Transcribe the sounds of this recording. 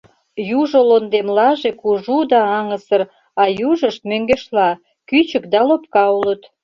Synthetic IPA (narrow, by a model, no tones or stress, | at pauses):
juʒolond̪emlɑʒekuʒud̪ɑɑŋəsər | ɑjuʒəʃt̪møŋɡeʃlɑ | kyt͡ɕəkd̪ɑlop̚kɑulət̪